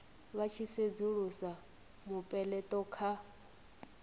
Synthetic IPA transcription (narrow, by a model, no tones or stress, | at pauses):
βat͡ʃʰised͡zuɺusa | mupʼɛlɛtʼɔkʰa